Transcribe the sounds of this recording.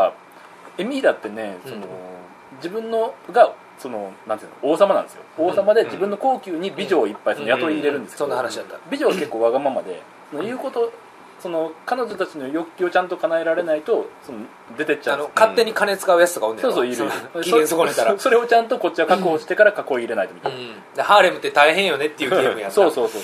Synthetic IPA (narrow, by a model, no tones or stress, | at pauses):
e̞mʲiːd̪at̪ːe̞ne̞so̞no̞̰ | d͡ʑibɯ̟̃nːo̞ɡa | so̞no̞nãnɨno̞ːsamanãnd̪esɨjo̰oːsamad̪e̞d͡ʑibɯ̟̃nːo̞ko̞ːkʲɨːɲ̟ibʲiʑo̞ːipːaisonojat̪o̞ɾiːɾe̞ɾɯ̟̃nd̪esksond̪anɕbʲiʑo̞ːɡake̞kːo̞ːβaɡamamad̪e̞̰ | sono̞jɯ̟ːko̞t̪o̞ | so̞no̞kano̞ʑo̞t̪at͡ɕino̞jo̞kʲːio̞t͡ɕãnt̪o̞kanaeɾaɾe̞nait̪o̞so̞no | d̪e̞t̪et͡ɕaanokat̪ːe̞ɲ̟ikane̞t͡sɨ̥kaɯ̟jat͡sɨ̥t̪okaõnd̪esoːs̬oːiɾɯõdeẽsokot̪aɾso̞ɾe̞o̞t͡ɕãnt̪o̞ko̞t͡ɕːiβakakɯoɕi̥t̪e̞kaɾakako̞iːɾe̞nait̪mʲit̪a̰n | d̪haːɾemɯ̟t̪ːet̪aiɦẽɰ̃jo̞ne̞t̪ːeiɯ̟ɡemɯ̟jat̪so̞ːso̞ːsoː